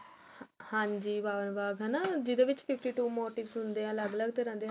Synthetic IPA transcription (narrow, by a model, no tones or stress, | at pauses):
hãːɲd͡ʒiːbaːʋənbaːɡɦɛnaːd͡ʒɪd̪eːʋɪt͡ʃpʰɪpʰʈiːʈuːmoːʈɪʋsɦʊ̃nd̪eːɦãːləɡləɡt̪eːɾɛ̃ːnd̪eː